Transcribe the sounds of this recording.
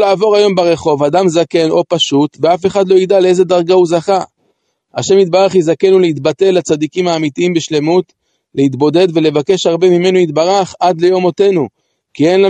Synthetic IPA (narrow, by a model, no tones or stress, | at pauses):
laːvo̞ʁajo̞mbeʁe̞χo̞vadamzake̞nʔo̞paʃut̪veafe̞χad̪lo̞id̪alee̞ze̞d̪aʁɡahuzaχa | aʃe̞mit̪̚baʁaχjizake̞nulehitbate̞lːat͡sad̪ikimaːmitiimbeʃle̞mut̪ | le̞it̪bo̞d̪e̞d̪ve̞le̞vake̞ʃhaʁbe̞mime̞nuit̪baʁaχad̪le̞jo̞mo̞te̞nu | kie̞nla